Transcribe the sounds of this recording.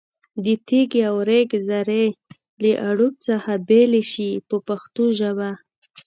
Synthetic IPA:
d̪ət̪iɡawɾeɡzaɾe | ləʔaɽup̚t͡saxabeleʃipəpaxt̪uʒaba

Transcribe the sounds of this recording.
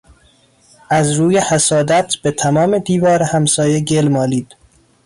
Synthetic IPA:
ʔæzɾuːjehæsɒːd̪æt̪ʰb̥et̪ʰæmɒːme̞d̪iːvɒːɾehæmsɒːjeɟelmɒːliːd̪̥

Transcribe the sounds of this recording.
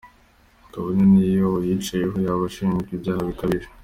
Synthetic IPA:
kaβanenijoojit͡ʃajeɦojaβaʃinɡibjaːhaβikaβiɾe

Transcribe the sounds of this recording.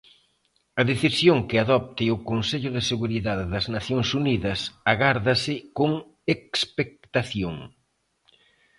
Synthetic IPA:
ɐðeθisjoŋkɪaðɔp̚t̪ɪʊkonseʎʊðɪseɣuɾiðaððɐznaθjoŋsuniðɐsaɣaɾðɐsɪkoŋ | ekspek̚t̪aθjoŋ

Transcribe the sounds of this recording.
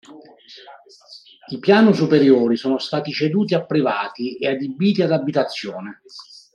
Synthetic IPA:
ipjaːnusupeɾjoːɾisoːnost̪aːt̪it͡ʃed̪uːt̪iapːɾivaːt̪iead̪ibiːt̪iad̪abit̪at̪sːjoːne

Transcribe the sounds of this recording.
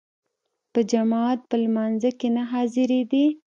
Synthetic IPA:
pəd͡ʒamɑt̪̚pəlmɑnzakenaɦɑzɪɾed̪i

